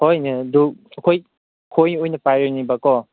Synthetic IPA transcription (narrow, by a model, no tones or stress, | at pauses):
hojneduɐkʰoj | kʰojnojnɐpajɾenibakɔ